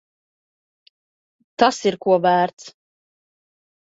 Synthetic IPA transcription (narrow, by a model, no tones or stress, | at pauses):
t̪asiɾkuɔvæːɾt̪s